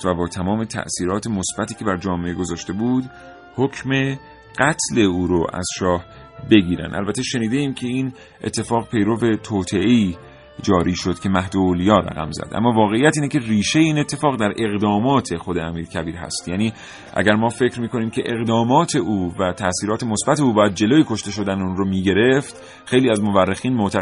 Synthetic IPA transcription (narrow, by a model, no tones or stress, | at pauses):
væbɒːt̪ʰæmɒːme̞t̪ʰæ̰ʔsiːɾɒːt̪ʰemosb̥æt̪ʰiːcʰebæɾd͡ʒɒːmeeɡo̞zɒːʃt̪e̞buːd̪ | hocʰme̞ | ɢæt̪ʰle̞uːɾoʔæ̰z̥ʃɒːh | be̞ɡiːɾæ̰nd̪æ̰lbæt̪ʰːeʃe̞niːd̪e̞iːmcʰe̞iːn | ʔḛt̪ʰːe̞fɒːɣpʰe̞jɾo̞ve̞t̪ʰoːt̪ʰe̞ʔeiː | d͡ʒɒːɾiːʃo̞d̪̥cʰe̞mæhd̪ooːlijɒːɾæ̰ɣæ̰mzæ̰d̪ʔæ̰mːɒːvɒːɣe̞ijæt̪iːnecʰe̞riːʃejeiːne̞t̪ʰːe̞fɒːɣd̪æɾʔe̞ɣd̪ɒːmɒːt̪ʰe̞xod̪eæmiːɾcʰæbiːɾɦæ̰st̪jæːniː | ʔæ̰ɟæɾmɒːfe̞cʰɾmiːkʰo̞niːmcʰe̞ʔeɣd̪ɒːmɒːt̪ʰe̞ʔuːvæt̪ʰæʔsiːɾɒːt̪ʰemosb̥æt̪ʰe̞uːbɒːjæd̪̚d͡ʒe̞loːjekʰo̞ʃt̪e̞ʃo̞d̪ænunɾomiːɟe̞ɾe̞ft̪ | xejliːæzmo̞værːexiːnmot̪ʰæ